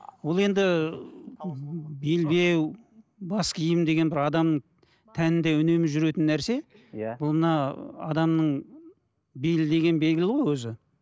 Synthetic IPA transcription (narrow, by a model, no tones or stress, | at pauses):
wo̞lˠe̞nd̪ɪ | be̞lbe̞w | bɑskʲʰijɪmd̪e̞ɡʲe̞nbɪɾɑd̪ɑmnəɴ | t̪ʰænɪnd̪e̞ʊne̞mɪʒʏɾe̞t̪ɪnːæɾse̞ | jbʊlˠmənɑɑ̰d̪ɑmnəɴ | be̞lɪd̪e̞ɡʲe̞nbe̞lɡʲɪlɪʁojwɵzɪ